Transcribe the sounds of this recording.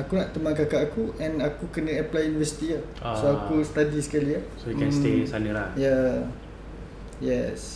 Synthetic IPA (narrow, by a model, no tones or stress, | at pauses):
akunaʔt̪əmankakaʔakuʔɛ̃nakukənə̃əplajunivɛsi̥t̪ijə | soakusə̥t̪adisə̥kaliasoikɛ̃nst̪esanəlajɛ | jɛs